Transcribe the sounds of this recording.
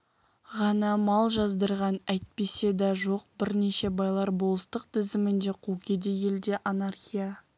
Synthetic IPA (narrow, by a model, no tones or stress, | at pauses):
ʁɑnɑmɑlˠʒɑzd̪əɾʁɑnæjt̪̚pe̞se̞d̪ɑʒo̞q̚bɪɾne̞ʃe̞bɑjlˠɑɾbolˠəst̪əq̚t̪ʰɪzɪmɪnd̪e̞qʰukʲʰe̞d̪e̞je̞ld̪e̞ʔanarχʲija